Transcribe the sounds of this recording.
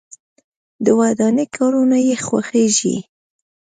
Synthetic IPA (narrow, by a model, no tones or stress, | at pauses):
d̪əwad̪anekʰɑɾunajexwaxeʒḭ